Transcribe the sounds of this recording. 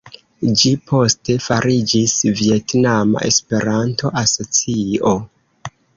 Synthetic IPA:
d͡ʒipʰo̞ste̞faɾʔid͡ʒisvie̞tnama̰ʔe̞̰spe̞ɾantʰo̞ʔaso̞t͡sio̞

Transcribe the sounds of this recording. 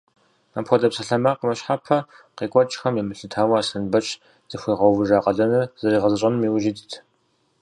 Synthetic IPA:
apxʷɔdɐpsɐɬɐmaqəmɐɕħapʰɐ | qeːkʷʼɔt͡ʃʼxɐmjɛmɨɬɨtʰaːwɐaːsɨnbɐt͡ʃʼ | z̥ɨxʷiːʁɐwvɨʒaːqʼɐɮɐnɨrzɐriːʁɐzɨɕʼɐnmiːwʒɪdtʰ

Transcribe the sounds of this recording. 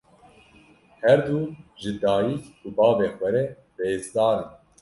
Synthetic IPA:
hɛɾd̪uːʒɨd̪ɑːjiːkubɑːveːxʷɛɾɛ | beːzd̪ɑːɾɨn

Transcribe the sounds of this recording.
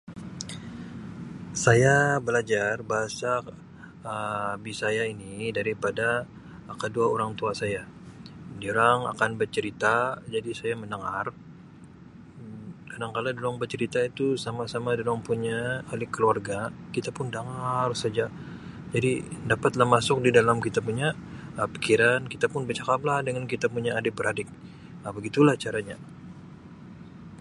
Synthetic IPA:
sajabəlad͡ʒarbaɦasa | əbisajainidaɾipada | kəduaoɾaŋt̪uasaja | dioɾaŋa̰kanbərt͡ʃəɾit̪ad͡ʒadisajamənəŋar | kadaŋkaladolɔŋbərt͡ʃəɾit̪ait̪usamasamadolɔŋpuɲaːlɪkːəluarɡakit̪apʊndaŋarsad͡ʒa | d͡ʒadidapat̪lahmasʊk̚didalamkit̪apuɲaəpi̥kiɾankit̪apʊnbət͡ʃakablahdəŋankit̪apuɲaːdɪbəɾadɪk̚ | əbəɡit̪ulaht͡ʃaɾaɲa

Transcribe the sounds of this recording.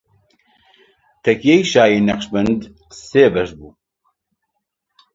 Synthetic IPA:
t̪ʰɛkʰijejʃaːjiːnɐqʃbɨnd̪ | seːbɛʃbuː

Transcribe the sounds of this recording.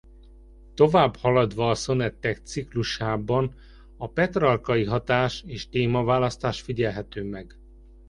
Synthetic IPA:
t̪o̞vaːbhɒlɒd̪ʋɒːso̞nɛt̪ːɛkt̪sikluʃaːbɒn | ɒpɛt̪rɒlkɒjiɦɒt̪aːʃeːʃt̪eːmɒvaːlɒst̪aːʃfiɟɛlɦɛt̪øːmɛɡ

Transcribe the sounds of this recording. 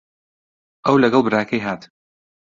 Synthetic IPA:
ʔɐwlɐɡɐlˠbɨɾaːkʰɐjɦaːt̪

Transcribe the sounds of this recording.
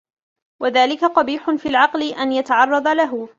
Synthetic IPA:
waðaːlɪkaq̪ɑbiːħʊnfiːlʕɑqlɪʔanjat̪aʕɑrˤːɑd̪ˤalaɦʊ

